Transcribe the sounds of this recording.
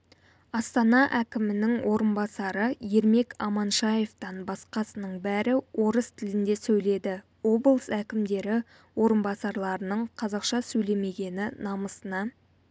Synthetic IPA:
ɑst̪ɑnɑʔækʲɪmɪnɪŋwʔo̞ɾənbɑsɑɾəje̞ɾme̞kɑ̰mɑnʃɑje̞ft̪ɑnbɑsqɑsənəɴbæɾɪwʔo̞ɾəst̪ʰɪlɪnd̪e̞sɵjle̞d̪ɪ | wo̞blˠsækʲɪmd̪e̞ɾɪ | wo̞ɾənbɑsɑɾlˠɑɾənəɴqʰɑzɑqʃɑsɵjle̞me̞ɡʲe̞nɪnɑməsənɑ

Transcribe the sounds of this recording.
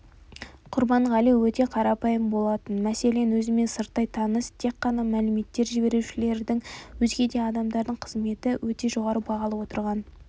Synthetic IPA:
qʰʊɾbɑnəʁɑlijwɵt̪e̞qʰɑɾɑpɑjəmbo̞lˠɑt̪ənmæse̞le̞nwɵzɪme̞nsəɾt̪ːɑjt̪ʰɑnəst̪ʰe̞kːɑnɑmælɪme̞t̪ːe̞ɾʒɪbe̞ɾuʃɪle̞ɾd̪ɪŋwɵzɡʲe̞d̪e̞ɑd̪ɑmd̪ɑɾd̪əɴqʰəzme̞t̪ɪwʔɵt̪e̞ʒo̞ʁɑɾəbɑʁɑlˠəwo̞t̪əɾʁɑn

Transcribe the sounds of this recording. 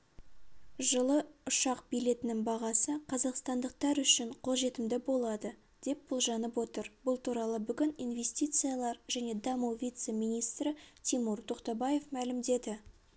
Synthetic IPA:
ʒəlˠəʊʃɑqbijle̞t̪ɪnɪŋbɑʁɑsəqʰɑzɑqst̪ɑnd̪əq̚t̪ɑɾʏʃɪɴqʰo̞lˠʒe̞t̪ɪmd̪ɪbo̞lˠɑd̪ə | d̪̥e̞p̚bʊlˠʒɑnəpwo̞t̪əɾbʊlˠt̪ʰuɾɑlˠəbʏɡʲɪnijnve̞sʲt̪ijt̪sɨjɑlˠɑɾʒæne̞d̪ɑmuwvʲijt̪se̞mijnijst̪ɾɪt̪ʲʰimuɾt̪ʰo̞qt̪ɑbɑje̞fmælɪmd̪e̞d̪ɪ

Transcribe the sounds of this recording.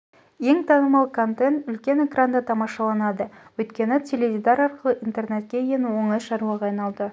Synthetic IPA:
je̞ŋt̪ʰɑnəmɑlˠkʰont̪e̞nt̪ʏlkʲe̞ne̞krand̪ɑt̪ʰɑmɑʃɑlˠɑnɑd̪əwɵjt̪kʲe̞nɪt̪ʲʰelevʲid̪aɾɑɾqəlˠəʔint̪e̞rne̞t̪̚kʲe̞jenwo̞ɴɪsʃɑɾuwɑʁɑːjnɑlˠd̪ə

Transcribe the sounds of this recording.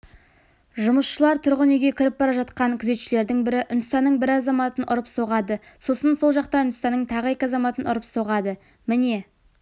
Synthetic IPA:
ʒʊməsʃəlˠɑɾt̪ʰʊɾʁəneɡʲe̞kʲʰɪɾɪp̚bɑɾɑʒɑt̪qɑŋkʲʰʏze̞t̪ʃɪle̞ɾd̪ɪŋbɪɾɪʔʊnd̪ɪst̪ɑnːəɴbɪɾɑzɑmɑt̪ənʔʊ̰ɾəpso̞ʁɑd̪ə | so̞sənso̞lˠʒɑqt̪ɑʏnd̪st̪ɑnːəɴt̪ʰɑʁəe̞kʲɪɑzɑmɑt̪ənʊɾəpso̞ʁɑd̪ə | mɪne̞

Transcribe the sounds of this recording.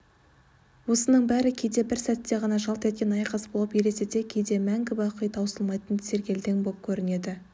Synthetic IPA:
wo̞sənəɴbæɾɪkʲʰejd̪e̞bɪɾsæt̪ːe̞ʁɑnɑʒɑlˠt̪e̞t̪̚kʲenɑjqɑsbo̞lˠəpjeɾe̞set̪e̞kʲʰe̞jd̪e̞mæŋɡʲɪbɑqʰəjt̪ʰɑwsəlˠmɑjt̪ənt̪se̞ɾkʲe̞ld̪eŋbolˠp̚kʲʰɵɾɪne̞d̪ɪ

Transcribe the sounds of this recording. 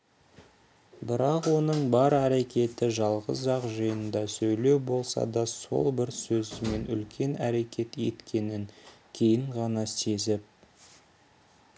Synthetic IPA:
bɪɾɑqwo̞nəɴbɑɾæɾe̞kʲe̞t̪ɪʒɑlˠʁə̰zʒɑqʒəjənd̪ɑsɵjle̞wbo̞lˠsɑ̰d̪ɑso̞̰lˠbɪɾsɵzɪme̞nʏ̰lkʲʰe̞næɾe̞kʲe̞t̪je̞t̪kʲʰe̞nɪŋkʲʰe̞jɪɴʁɑnɑse̞zɪp̚

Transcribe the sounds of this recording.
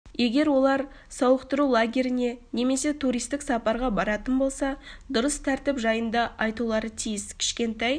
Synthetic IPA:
je̞ɡʲe̞ɾwo̞lˠɑɾ | sɑwəqt̪əɾulˠaɡʲe̞ɾɪne̞ne̞me̞se̞t̪ʰuɾijst̪ɪksɑpɑɾʁɑbɑɾɑt̪ənbo̞lˠsɑd̪ʊɾəst̪ʰæɾt̪ɪpʒɑjənd̪ɑɑjt̪ulˠɑɾət̪ʰijɪskʲʰɪ̥ʃkʲe̞nt̪ɑj

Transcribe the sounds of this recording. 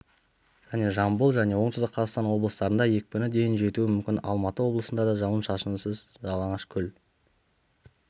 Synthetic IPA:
ʒ̥æne̞ʒɑmbulˠʒæne̞wo̞ɴt̪ɪzd̪ɪqʰɑzɑqst̪ɑnwo̞blˠəst̪ɑɾənd̪ɑje̞k̚ʲkʲʏnɪd̪e̞jɪnʒe̞t̪uɪmʏmkʲɪnɑ̰lˠmɑt̪əwo̞blˠəsənd̪ɑd̪ɑʒɑwənʃɑʃənsəz | ʒɑlˠɑɴəʃkʲʰʏl

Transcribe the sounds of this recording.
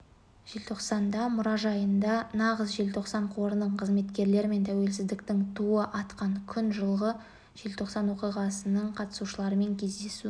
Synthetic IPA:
ʒ̥e̞lt̪ʰo̞qsɑnd̪ɑmʊɾɑʒɑjənd̪ɑnɑʁəsʒe̞lt̪ʰo̞qsɑɴqʰo̞ɾənəɴqʰəzme̞t̪kʲe̞ɾle̞ɾɪme̞nt̪ʰæwe̞lsɪzd̪ɪkt̪ɪŋt̪ʰuəʔɑt̪qɑɴkʲʰʏnʒəlˠʁə | ʒ̥e̞lt̪ʰo̞qsɑnwo̞qijʁɑsənəɴqʰɑt̪ə̥suʃəlˠɑɾəme̞ŋkʲʰe̞zd̪e̞su

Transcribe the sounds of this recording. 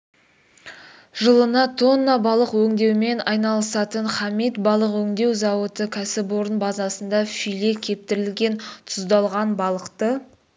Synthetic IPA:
ʒəlˠənɑt̪ʰo̞nːɑbɑlˠəqwɵŋd̪e̞wme̞nɑjnɑlˠəsɑt̪əɴχɑmit̪bɑlˠəqwɵŋd̪e̞wzɑwət̪əkʲʰæsɪpoɾənbɑzɑsənd̪ɑfijle̞kʲʰe̞p̚t̪ɪɾɪlɡʲe̞nt̪ʰʊzd̪ɑlˠʁɑnbɑlˠəqt̪ə

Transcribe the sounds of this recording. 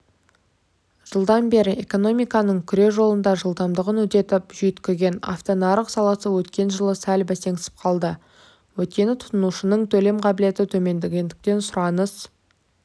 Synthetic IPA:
ʒ̥əlˠd̪ɑnbe̞ɾɪʔeko̞no̞mijkɑnəɴkʲʰʏɾe̞ʒo̞lˠənd̪ɑʒəlˠd̪ɑmd̪əʁənwɵt̪e̞t̪ɪpʒʏjt̪kʲɪzɡʲe̞nɑ̰ft̪onɑɾəqsɑlˠɑsəwɵt̪kʲe̞nʒəlˠəsælbæse̞ŋɪ̥sɪ̥p̚qʰɑlˠd̪ə | wɵt̪̚kʲe̞nɪt̪ʰʊ̥t̪ənuʃənəɴt̪ʰɵle̞mqʰɑbɪle̞t̪ɪt̪ʰɵme̞nd̪ɪɡʲend̪ɪkt̪e̞nsʊɾɑnəz̥

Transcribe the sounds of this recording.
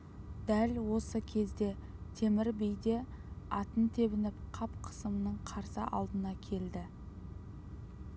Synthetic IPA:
d̪ælwo̞səkʲʰe̞zd̪e̞t̪ʰe̞mɪɾbejd̪e̞ | ɑt̪ənt̪ʰe̞βɪnɪpqʰɑpqʰə̥səmənəɴqʰɑɾsə̰ʔɑ̰lˠd̪ənɑkʲʰe̞ld̪ɪ

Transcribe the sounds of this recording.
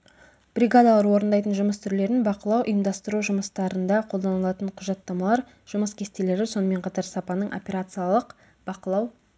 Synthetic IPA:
b̥ɾʲiɡad̪ɑlˠɑɾwo̞ɾənd̪ɑjt̪ənʒʊməst̪ʰʏɾle̞ɾɪnbɑqəlˠɑwʔḭjəmd̪ɑst̪əɾuʒʊməst̪ɑɾənd̪ɑqʰo̞lˠd̪ɑnəlˠɑt̪əɴqʰʊʒɑt̪ːɑmɑlˠɑɾ | ʒ̥ʊməskʲʰe̞st̪ele̞ɾɪso̞nəme̞ɴqʰɑt̪ɑɾsɑpɑnəɴʔo̞̰pʲe̞ɾat̪sɨjalˠəq | b̥ɑqəlˠɑw

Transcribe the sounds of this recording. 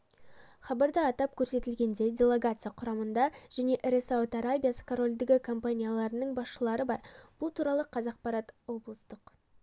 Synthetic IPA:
χɑbɑɾd̪əɑt̪ɑp̚kʲʰɵɾse̞t̪ɪlɡʲe̞nd̪e̞d̪ʲe̞lˠe̞ɡat̪sɨjaqʰʊɾɑmənd̪ɑʒ̥æne̞ʔɾesawt̪aɾabʲijasə̥kʰoɾo̞lʲd̪ɪɡʲɪkʰo̞mpanʲijalˠɑɾənəɴbɑsʃəlˠɑɾəbɑɾb̥ʊlˠt̪ʰuɾɑlˠəqʰɑzɑq̚pɑɾɑt̪wo̞blˠəst̪əq

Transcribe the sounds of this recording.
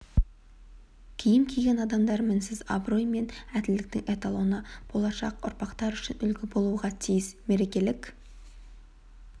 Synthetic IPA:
kʲʰijɪmkʲʰejɡʲe̞nɑd̪ɑmd̪ɑɾmɪnsɪza̰bro̞jme̞næd̪ɪld̪ɪk̚t̪ɪŋe̞t̪alˠo̞nəb̥o̞lˠɑʃɑ̰qʊ̰ɾpɑqt̪ɑɾʏʃɪnʏlɡʲɪbo̞lˠuʁɑt̪ʰijɪsme̞ɾe̞kʲe̞lɪkʲ

